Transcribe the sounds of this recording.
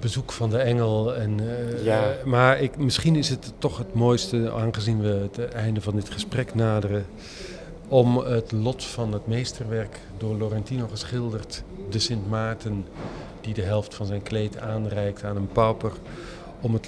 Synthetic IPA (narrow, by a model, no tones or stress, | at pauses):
bəzukfɑndəɛŋəlˠɛn | maɹɪkmɪsχinɪsɦətːɔχɦətmoːjstəaːnχəzinʋəətɛjndəvɑndɪtχəsprɛknaːdərə | ɔmətlɔtfɑnətmejstərʋɛrk | dʊːɹlorɛntinoχəsχɪlˠdərtdəsɪntmaːtən | d̥idəɦɛlˠftfɑnzɛjnklejtaːnrɛjk̚taːnənpawpər | ɔmət